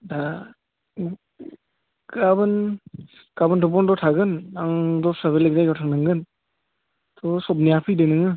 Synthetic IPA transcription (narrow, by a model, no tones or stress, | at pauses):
da | ɡabɯn | ɡ̥abɯndʰɔp̬ɔndɔtʰaɡɯnaŋdɔsabelek̚zajɡɔtʰaŋnaŋɡɯn | tʰɔsɔp̚nijapʰɯjdɯnɯŋɯ